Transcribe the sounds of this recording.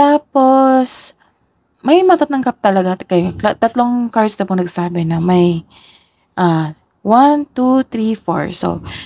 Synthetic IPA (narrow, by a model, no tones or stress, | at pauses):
t̪aːpos | mɐjmɐɐt̪ɐt̪lɐŋkɐp̚t̪ɐlɐɡakɐjɐt̪ɐt̪loŋkaɹsd̪ɐpoŋnɐɡsaːbɪnɐmɐj | ʔa | want̪ut̪ɾifo̰ɹso̰